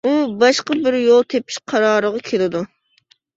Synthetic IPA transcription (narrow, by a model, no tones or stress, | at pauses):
ubɑʃqɑbɪɾjolˠt̪ʰepʰɪ̥ʃqʰɑɾɑːɾəʁɑkʲʰelɨd̪u